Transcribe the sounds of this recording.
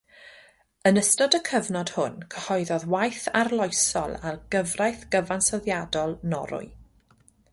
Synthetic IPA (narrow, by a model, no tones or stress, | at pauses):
ənəstɔdəkʰəvnɔd̥hʊnkʰəhɔjðɔðwajθarlˠɔjsɔ̰lˠarɡ̥əvrajθɡ̥əvansɔðjadɔlˠnɔ̰ɾʊ̰ɨ